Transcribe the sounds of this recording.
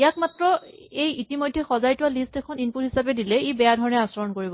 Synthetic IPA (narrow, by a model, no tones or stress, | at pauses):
ijakmatɹɔ | ejitimojdʱːɛxɔzajtuwalistɛkʰɔninput̚ɦisapɛdilɛebɛjadʱɔɹɔnɛasɔɹɔnkoɹibɔ